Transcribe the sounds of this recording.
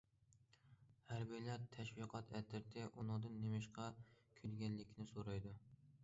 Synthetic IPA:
hæɾbijlæɾt̪ʰɛʃwiqʰɑt̪ʰɛt̪ʰɪɾt̪ʰɪʔunɨŋd̪ɨnːemɪʃqʰɑkʲʰylɡʲɛnːɪkʲʰnɪsoɾɑjd̪u

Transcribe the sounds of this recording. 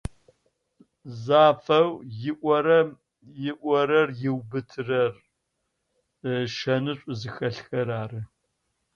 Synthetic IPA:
zaːfɐwjɪʔʷɔɾɐ | jɪʔʷɔɐɾɐrjɪwbɨtʰɨrɐr | ʃɐnɨɕʷʼʊzɨxɐɬxɐɾaːrɨ

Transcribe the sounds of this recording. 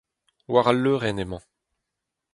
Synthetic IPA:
waʁalːøʁɛnemɑ̃

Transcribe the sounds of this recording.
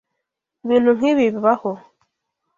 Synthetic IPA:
βinuŋiβiβiβaho

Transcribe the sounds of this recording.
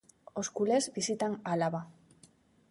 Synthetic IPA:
oskulezbisit̪analaβa

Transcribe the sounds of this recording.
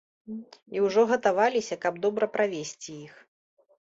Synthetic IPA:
iwʐɔɣɐt̪avalʲisʲɐkɐb̚d̪ɔbɾɐpɾavʲesʲt͡sʲijix

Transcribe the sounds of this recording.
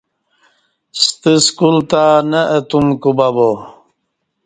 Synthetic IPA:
st̪əskult̪anɐət̪umkubabo

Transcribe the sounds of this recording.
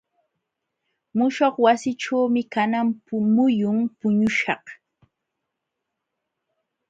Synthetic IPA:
mʊʃoχwasɪʈ͡ʂawmɪkanampʊmʊjʊŋpʊɲʊʃɑ̰χ

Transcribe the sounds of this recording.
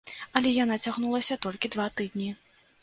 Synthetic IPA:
ɐlʲɛjanat͡sʲaɣnulˠɐsʲɐt̪ɔlʲkʲid̪vat̪ɨd̪ʲnʲi

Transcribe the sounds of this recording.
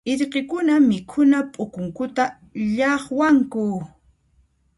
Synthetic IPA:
ɪɾqekʊnamɪkʰʊnapʼʊkʊŋkʊt̪a | ʎɑχwaŋkʊ

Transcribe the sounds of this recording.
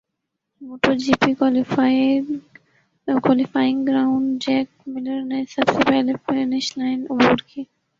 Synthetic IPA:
moːʈoɾd͡ʒiːpikːl | kwaːlɪfaːɪ̃ŋɡɡɾaːʊ̃ɳɖd͡ʒɛːk̚mɪləɾnesɐbsepɛlefenɪʃlaːɪnʊbuːɾkʰiː

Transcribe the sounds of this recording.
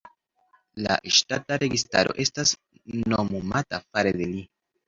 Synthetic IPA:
la̰ʃtataɾe̞ɡista̰ɾo̞̰ʔe̞stas | nomumatafaɾede̞li

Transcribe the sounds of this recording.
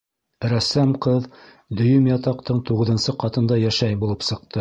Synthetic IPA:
ɾæsæmqɤð | d̪ɵ̆jɵmjɑt̪ɑqt̪ɤɴt̪uʁɤ̆ðɤ̆nsɤqɑt̪ɤ̆nd̪ɑjæʃæjbulˠɤpsɤ̆q̚t̪ɤ

